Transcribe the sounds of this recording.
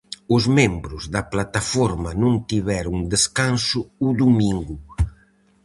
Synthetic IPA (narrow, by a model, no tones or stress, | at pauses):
ʊzmembɾʊzðɐplat̪afɔɾmɐnũŋt̪iβɛɾʊŋd̪eskansʊuðumiŋɡʊ